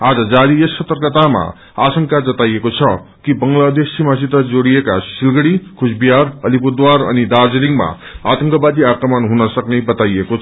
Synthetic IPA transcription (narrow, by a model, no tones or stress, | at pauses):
ad͡zʌd͡zaɾijesːʌt̪ərkʌt̪ama̰ | asʌŋkad͡zʌt̪ajekot͡sʰʌkibʌŋɡlad̪esimasit̪ʌd͡zoɽiekasilɡʌɽikʰusbijaɾʌlipud̪waɾʌ̰nid̪ard͡zeliŋɡma̰ | a̰t̪ʌŋkʌbad̪iakrʌmʌnɦunʌsʌknebʌt̪aijekot͡sʰ